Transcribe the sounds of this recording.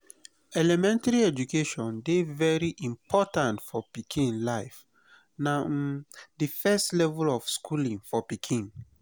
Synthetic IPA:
ɛlɛmɛ̃ntaɹiɛd͡ʒukʰeʃɔ̃ndevɛɹiʔĩmpʰɔtãntfɔpikʰĩnnlaɪf | na | difɛstlɛvulɔfskʰulĩŋfɔpikʰĩn

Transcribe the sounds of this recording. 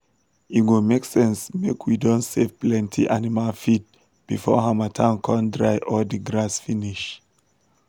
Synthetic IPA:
iɡomeksɛ̃nsmekʰwidõntsevplɛ̃ntʰiʔanimalfit̚ | b̥ifɔ̰ɦãmatʰãʊ̃nkʰɔ̃ndɹaɪʔɔdiɡɹasfiniʃ

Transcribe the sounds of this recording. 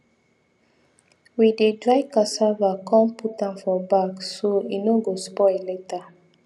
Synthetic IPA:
widedɹajkasavakʰɔ̃mpʰutãmfɔbaksoinoɡospɔjleta

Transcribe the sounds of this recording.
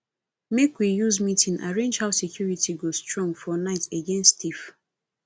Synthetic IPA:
mekwijuzmitĩnʔa̰ɹẽnd͡ʒhaʊsekʰjuɹitiɡostɹɔ̃ŋfɔnaɪteɡẽnstif

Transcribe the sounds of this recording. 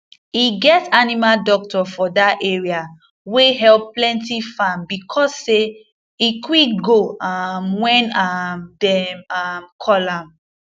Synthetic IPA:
iɡɛtanimaldɔk̚tɔfɔdaʔɛɹia | weɦɛlpːlɛ̃ntifãmbikʰɔsːe | ikwiɡoamwɛ̃namdɛmamkʰɔlãm

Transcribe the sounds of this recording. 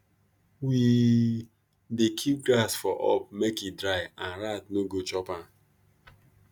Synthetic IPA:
wi | dekʰip̚ɡlasfɔʔɔ̰pmekidɾaɪãnɾatnoɡot͡ʃɔpãn

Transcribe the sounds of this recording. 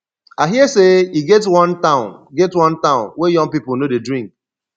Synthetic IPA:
aɦiəseiɡɛtwɔ̃ntãʊ̃nɡɛtwʌ̃ntãʊ̃nwejɔ̃ŋpipʊlnodedɹĩŋk̚

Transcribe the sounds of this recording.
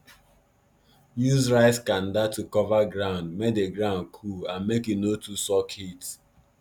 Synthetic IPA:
juzɹaɪskãndatukɔvaɡɹãʊ̃ndmek̚deɡɾãʊ̃nkʰulãnmekinotʰusɔkʰit

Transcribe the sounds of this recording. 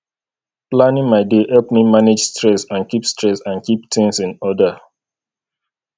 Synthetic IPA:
plãnĩŋmaɪdehɛlpmimaned͡ʒstɹɛsãnkipstɹɛsãnkiptʰɪ̃ŋsĩnɔda

